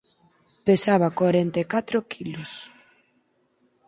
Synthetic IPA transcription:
pesaβakwaɾent̪ekat̪ɾokʰilʊs

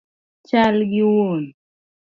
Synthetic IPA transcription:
t͡ʃalɡɪwon

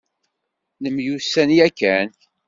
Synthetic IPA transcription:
nəmjusænjækːæn

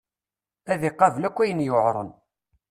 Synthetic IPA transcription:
æðɪqːɑvlækʷːæjənjoʕɾˤə̰n

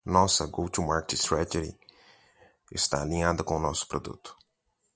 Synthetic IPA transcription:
nɔsɐɡowt̪umaɾket͡ʃst̪ɾat̪ed͡ʒḭ | ɪst̪a̰alĩad̪ɐkõʊnɔsʊ̥pɾod̪ṵt̪ʊ̥

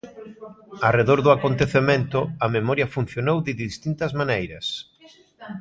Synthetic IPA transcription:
areðoɾðʊakont̪eθemẽnt̪ʊɐmemɔɾjɐfun̟θjonowðɪðist̪int̪ɐzmanejɾɐs

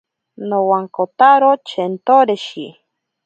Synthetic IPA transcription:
nowaŋkot̪aɾot͡ʃent̪oɾeʃi

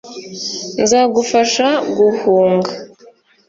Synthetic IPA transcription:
nzaɡufaʃaɡuhuːŋɡa

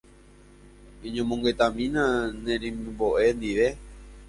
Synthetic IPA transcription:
ĩɲõmõŋɡe̞t̪ãmĩnãnẽɾĩmmboʔe̞nd̪iʋe̞

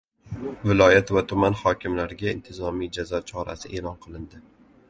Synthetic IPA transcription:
vɪlɒjat̪vat̪ʰʊmanhɒkʲɪmlaɾɪɡʲaɪnt̪ʰɪzɒmijd͡ʒazɒt͡ʃʰɒɾa̰sɪʔe̞lɒnqʰɨlˠɪnd̪ɪ

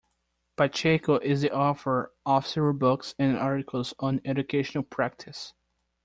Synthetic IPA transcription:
pat͡ʃekoʔɪzðiʔɔfə˞ʔɔfsɛɹbʊksɨ̃nɑɹɾɪkʰəl̩ˠzɔ̃n̩ɛd͡ʒɨkʰeɪʃə̃nl̩ˠpʰɹ̥æk̚tʰɨs

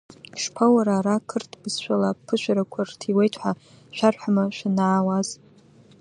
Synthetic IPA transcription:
ʂpʰawaɾaːɾakʰɨrtʰbɨzʃʷᶣalapʰɨʃʷᶣaɾakʷʰartʰiwejtʰħʷa | ʃᶣarħamaʃʷᶣanaːwaz̥

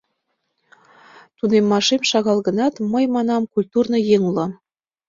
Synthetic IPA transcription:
t̪unemːɑʃemʃɑɣɑlˠɣə̆nɑt̪məjmɑnɑmkulʲt̪urnɤ̆jeŋulˠɑm

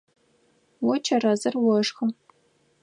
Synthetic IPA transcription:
wɔt͡ʃʰɐrɐzɐrwɔʂxɐ

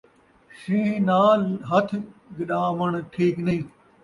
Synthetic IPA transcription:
ʃĩːnaːɦət̪ʰɡɪɗaːməɳʈʰiːknĩː

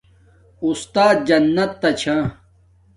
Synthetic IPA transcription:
ust̪aːt̪̚d͡ʑɐnːɐt̪ːɐt͡ɕʰã

